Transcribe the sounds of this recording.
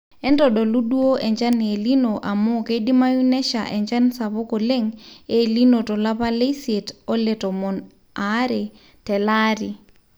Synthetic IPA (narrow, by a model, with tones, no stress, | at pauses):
ɛ˦ndɔɗɔ˨lu˦ɗu˦o˦ʔɛ˨ɲd͡ʒa˦ne˨linoʔa˨mo˦keɗi˦ma˦junɛ˦ʃaʔɛ˨ɲd͡ʒa˦nsa˨βʊ˦kɔ˨le˦ŋelinotɔ˨la˦pa˦le˦setɔ˦lɛtɔ˨mɔ˨n | aɾɛ | tɛ˨la˦ɾi